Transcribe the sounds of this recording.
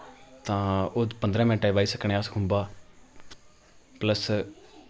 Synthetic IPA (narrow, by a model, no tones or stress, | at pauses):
t̪ãːʊd̪pənd̪ɾãːmɛ̃ːʈaːʋaːiːsəkʰɳẽːaskʰʊ̃mbaː | pləs